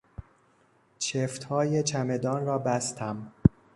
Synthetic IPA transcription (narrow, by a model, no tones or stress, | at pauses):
t͡ʃʰeft̪hɒːje̞t͡ʃʰæme̞d̪ɒːnɾɒːbæst̪ʰæm